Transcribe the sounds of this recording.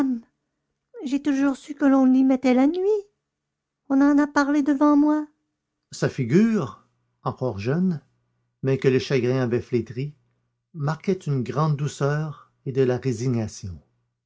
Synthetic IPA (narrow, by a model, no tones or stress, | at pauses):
m | ʒet̪uʒuːʁsykəlɔ̃limɛt̪ɛlanɥi | ɔ̃nɑ̃napaʁled̪əvɑ̃mwa | safiɡʲyːʁ | ɑ̃kɔʁʒœn | mɛkəleʃaɡʁɛ̃avɛflet̪ʁi | maʁkʲɛt̪ynɡʁɑ̃d̪̚ːusœːʁ | ed̪əlaʁeziɲasjɔ̃